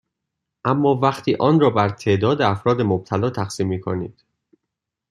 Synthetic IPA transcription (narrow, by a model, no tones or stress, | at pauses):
ʔæmːɒːvæxt̪ʰiːʔɒːnrɒːbæɾt̪ʰe̞ːd̪ɒːd̪eæfɾɒːd̪emob̚t̪ʰælɒːt̪ʰæxsiːmːiːkʰonḭːd̪̥